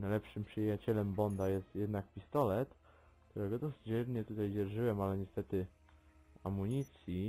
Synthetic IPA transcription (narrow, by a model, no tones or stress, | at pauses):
najlɛpʂɘmpʂɘjat͡ɕɛlɛmbɔnd̪ajɛst̪jɛd̪nak̚pʲist̪ɔlɛt̪ | kt̪uɾɛɡɔd̪ɔsd͡ʑɛɾɲɛt̪ut̪ajd͡ʑɛɾʐɘwɛmalɛɲɛst̪ɛt̪ɘ | amuɲit̪sʲji